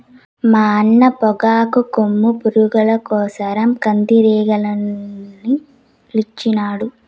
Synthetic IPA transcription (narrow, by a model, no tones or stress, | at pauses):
maːɐnːɐpɔɡaːkukomːupuɾuɡɐlɐkɔːsɐɾɐmkɐnd̪iɾɛːɡɐlɐnːi | lit͡ʃːinaːɽu